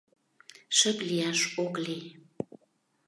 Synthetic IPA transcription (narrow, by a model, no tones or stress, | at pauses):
ʃəplijɑʃokli